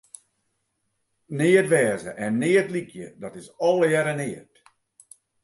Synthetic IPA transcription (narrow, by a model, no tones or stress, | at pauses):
nɪətʋɛːzəʔɛnːɪətlikʰjə̰dɔtɪsɔlˠəjɛɾənɪət